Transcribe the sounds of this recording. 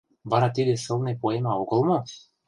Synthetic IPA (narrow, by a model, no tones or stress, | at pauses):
βɑɾɑt̪id̪eʃolnepoemɑokolˠmo